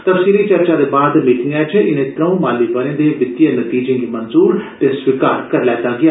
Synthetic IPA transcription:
t̪əpsiːɾit͡ʃəɾt͡ʃaːd̪eːbaːd̪miːʈɪ̃ŋɡɛːt͡ʃʰɛʔɪnẽːt̪ɾə̃ũmãːliːbənẽːd̪eːʋɪd̪ijənət̪iːd͡ʒẽːɡiːmənzuːɾt̪eswɪkaːɾkəɾlɛːt̪ãːɡɪjaː

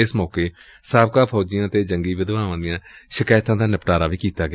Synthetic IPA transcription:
ɪsmɔːkeː | saːb̚kaːpʰɔːd͡ʒɪjãːt̪eːd͡ʒəŋɡiːʋɪd̪ʋaːʋãːd̪ɪjãːʃəkaːjt̪ãːd̪aːnəpʈaːɾaːʋiːkiːt̪aːɡa

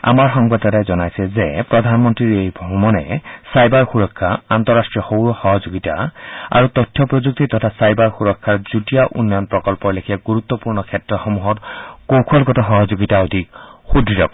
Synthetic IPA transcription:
a̰maɹɦɔŋbad̪ɔɾajzɔnajsɛzepɹɔd̪ʱanmɔnt̪ɹiɹejbʱɔmɔnɛsajbaɹxuɹɔkʰːaant̪ɔɹːastɹijɔxowɹɔxɔɦɔzoɡitaa̰ɹut̪ɔtʰːjɔpɹɔzuk̚t̪it̪ɔtʰasajbaɹxuɾɔkʰːaɹd͡ʒutijaʔṵnːɔjɔnpɹɔkɔlpɔlekʰiaɡuɾut̪ːɔpuɹnɔkʰɛtɹɔxɔmuɦɔtkowkʰɔlɡɔtɔɦɔɦɔd͡ʒoɡitaɔd̪ʱik̚xudʱɹiɾɔk

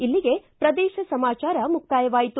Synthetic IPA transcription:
ilːiɡe̞pɾɐd̪ɛːʃɐsɐmaːt͡ʃaːɾɐmukʰːaːjɐʋaːjit̪u

